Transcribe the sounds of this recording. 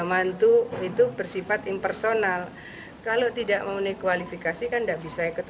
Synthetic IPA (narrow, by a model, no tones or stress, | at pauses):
mant̪uit̪ubərsifat̪ɪmpɛrsonal | kalot̪idaʔməmunajkualifikasikandaʔbisaikut̪